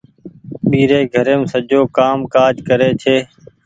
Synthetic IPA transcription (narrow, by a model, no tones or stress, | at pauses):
ɓiːɾeːɡʱəɾeːmsəd͡ʒoːkaːmkaːd͡ʒʱkəɾeːt͡ʃʰeː